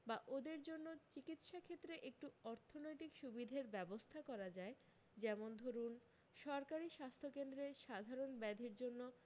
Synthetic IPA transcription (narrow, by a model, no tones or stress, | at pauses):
baʔod̪eɾd͡ʑonːot͡ɕikit̪ʃakʰet̪ːɾeʔek̚ʈuɔɾt̪ʰonojt̪ikʃubid̪ʱeɾbɛbost̪ʰakɔɾad͡ʑae | d͡ʑɛmond̪ʱoɾun | ʃɔɾkaɾiʃast̪ʰokend̪ɾeʃad̪ʱaɾonbɛd̪ʱeɾd͡ʑonːo